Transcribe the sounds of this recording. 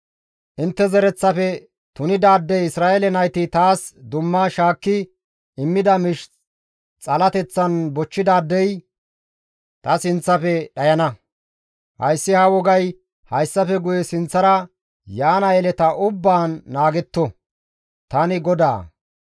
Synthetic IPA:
ʔɪnt̪ːɛzɛɾɛt͡sːɐfɛ | t̪ʊnɪd̪aːd̪ːɛjɪsɾaːʔɛlɛnɐjt̪ɪt̪aːsd̪ʊmːɐʃaːkːɪ | ʔɪmːɪd̪ɐmɪʃ | t͡sʼɐlɐt̪ɛt͡sːɐnbɔt͡ʃːɪd̪aːd̪ːɛj | t̪ɐsɪnt͡sːɐfɛɗɐjɐnɐ | hɐ̰jsːɪhɐwɔɡɐj | hɐjsːɐfɛɡʊjɛsɪnt͡sːɐɾɐ | jaːnɐjɛlɛt̪ɐʔʊbːaːnːaːɡɛt̪ːɔ | t̪ɐnɪɡɔd̪a̰ː

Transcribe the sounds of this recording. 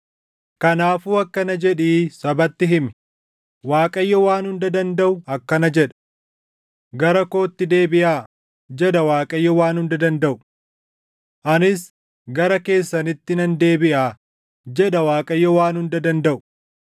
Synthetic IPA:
kɐnaːfuːɐkːɐnɐd͡ʒɛᶑiːsɐbɐt̪ːɪɦɪmɪ | waːkʼɐjːɔwaːnhʊnd̪ɐd̪ɐnd̪ɐʔʊɐkːɐnɐd͡ʒɛᶑɐ̥ | ɡɐɾɐko̞ːt̪ːɪd̪e̞ːbɪʔaː | d͡ʒɛᶑɐwaːkʼɐjːɔwaːnhʊnd̪ɐd̪ɐnd̪ɐʔʊ̥ | ʔɐnɪs | ɡɐɾɐke̞ːsːɐnɪt̪ːɪnɐnd̪e̞ːbɪʔaː | d͡ʒɛᶑɐwaːkʼɐjːɔwaːnhʊnd̪ɐd̪ɐnd̪ɐʔʊ̥

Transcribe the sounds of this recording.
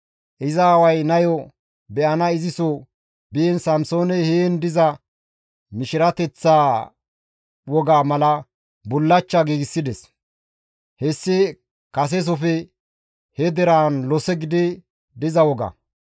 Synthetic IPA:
ʔɪzawɐjnɐjɔ | bɛʔɐnɐɪzɪsɔ | bɪjɛnsɐmsoːnɛhejɛnd̪ɪzɐ | mɪʃɪɾɐt̪ɛt͡sːaː | wɔɡaːmɐlɐ | bʊlːɐt͡ʃːaɡiːɡɪsːɪd̪ɛs | hɛsːɪ | kɐs̬ɛs̬ɔfɛ | hɛd̪ɛɾaːnlɔsɛɡɪd̪ɪ | d̪ɪzɐwɔɡɐ̰

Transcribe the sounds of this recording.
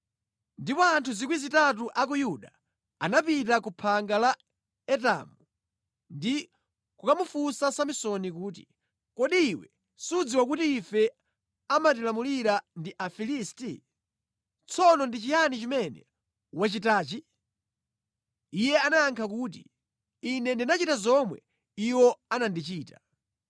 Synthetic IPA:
ndipɔantʰuzikwizitat̬uʔak̬ujuɗa | anapitakupʰaŋɡala | ɛta̰mu | ndi | kukamufusasamisɔnikuːt̬i̥̰ | kɔɗiːwɛ̰ | suud͡ziwak̬utiːfɛ | amat̬ilamuliɾandiʔafilisti | t͡sʰɔnɔndit͡ʃijanit͡ʃimɛnɛ̰ | wat͡ʃitaːt͡ʃi | jɛanajaŋkʰakuːt̬ḭ | inɛndinat͡ʃitazɔmwɛ̰ | iwɔanandit͡ʃiːta

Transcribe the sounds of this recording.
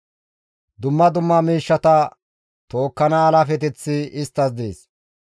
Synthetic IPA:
d̪ʊmːɐd̪ʊmːɐmiːʃːɐt̪ɐ | t̪o̞ːkːɐnɐːlɐfɛt̪ɛt͡sːɪɪst̪ːɐs̬d̪eːs

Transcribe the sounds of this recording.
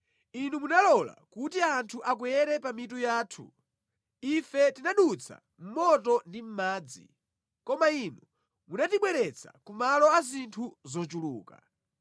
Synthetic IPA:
inumunalɔla̰kutiantʰuʔak̬wɛɾɛpamit̬ujaːtʰṵ | ifɛtinaɗut͡sʰa̰ | m̩mɔtɔndim̩maːd͡zḭ | kɔmainu | munatiɓwɛɾɛt͡sʰa̰kumalɔazintʰuzɔt͡ʃulṵːka̰

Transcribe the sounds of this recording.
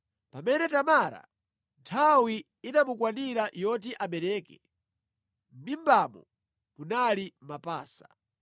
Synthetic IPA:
pamɛnɛtamaɾa̰ | ntʰawi | inamukwaniɾajɔt̬iʔaɓɛɾɛːkɛ | m̩mimbamɔ | munalimapaːsḁ

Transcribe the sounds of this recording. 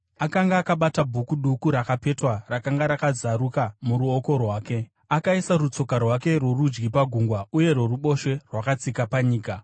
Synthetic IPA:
akaŋɡaːkaɓatabʱukuɗukuɾakape̞twarakaŋɡaɾakad͡zaɾukamuɾuoko̞rwaːke̞ | akaisarut͡so̞karwake̞rwo̞rud͡ʒɡipaɡʱuŋɡwauje̞rwo̞ruɓo̞ʃe̞rwakat͡sikapaɲiːka

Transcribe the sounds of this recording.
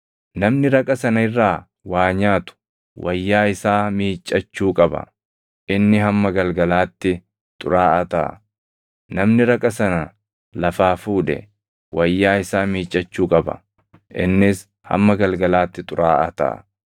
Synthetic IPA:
nɐmnɪɾɐkʼɐsɐnɐɪrːaː | waːɲaːt̪ʊ̥ | wʔɐjːaːɪsaːmiːt͡ʃʼːɐt͡ʃːuːkʼɐbɐ̰ | ʔɪnːɪɦɐmːɐɡɐlɡɐlaːt̪ːɪ | t̪ʼʊ̰ɾaːʔɐt̪a̰ː | nɐmnɪɾɐkʼɐsɐnɐ | lɐfaːfuːᶑɛ̰ | wʔɐjːaːɪsaːmiːt͡ʃʼːɐt͡ʃːuːkʼɐbɐ̰ | ʔɪ̰nːɪs | hɐ̰mːɐɡɐlɡɐlaːt̪ːɪt̪ʼʊɾaːʔɐt̪a̰ː

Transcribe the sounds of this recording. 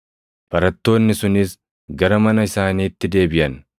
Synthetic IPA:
bɐɾɐt̪ːo̞ːnːɪsʊnɪs | ɡɐɾɐmɐnɐɪsaːniːt̪ːɪd̪e̞ːbɪʔɐn

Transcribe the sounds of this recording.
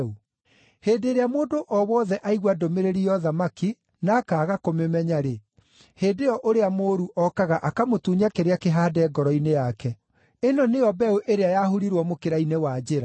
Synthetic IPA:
u | heːndeːɾeamoːdoʔɔwɔðɛʔaiɣwadomeɾeɾijɔðamaki | naːkaːɣakomemɛɲaɾe | heːdeɔʔoɾeamoːɾuʔɔkaɣaʔakamotuːɲakeɾeakeɦaːdɛːɡɔɾɔinejakɛ | enɔnejɔbɛuʔeɾeajaɦuɾiɾwɔmokeɾainewad͡ʑeɾa

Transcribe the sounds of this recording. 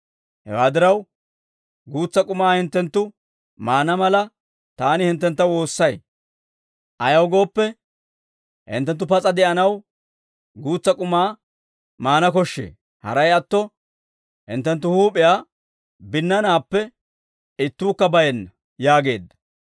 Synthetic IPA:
hɛ̰waːd̪ɪɾɐw | ɡuːt͡sːɐkʼʊmaːhɪnt̪ːɛnt̪ːʊ | maːnɐmɐlɐ | t̪aːnɪhɪnt̪ːɛnt̪ːɐwo̞ːsːɐj | ʔɐjɐwɡo̞ːpːɛ | hɪ̰nt̪ːɛnt̪̬ːʊpɐt͡sʼɐd̪ɛʔɐnɐw | ɡuːt͡sːɐkʼʊmaː | maːnɐkɔʃːḛː | hɐ̰ɾɐjɐt̪ːɔ | hɪ̰nt̪ːɛnt̪ːʊhuːpʼɪjaː | bɪnːɐnaːpːɛ | ɪt̪ːuːkːɐbɐjɛnːɐ | jaːɡe̞ːd̪ːɐ̥

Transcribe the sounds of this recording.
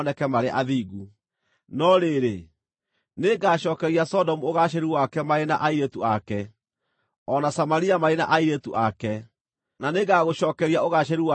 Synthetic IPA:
nɛkɛmaɾeaʔaðiːɣu | nɔɾeɾe | neɡaːɕɔːkɛɾiasɔdɔmuoɣaɕɛɾuwakɛmaɾenaʔaiɾetuakɛ | ɔnasamaɾiamaɾena̰ʔaiɾetuʔakɛ | naneɡaɣoʃɔːkɛɾiaoɣaɕɛɾiwa

